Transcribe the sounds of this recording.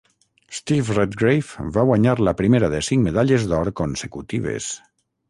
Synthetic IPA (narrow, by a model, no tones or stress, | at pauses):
st̪ifret̪ɡɾejfbaɣwaɲaɾləpɾimeɾaðəsiŋmeðaʎezd̪ɔɾkonsəkut̪iβ̞ḛs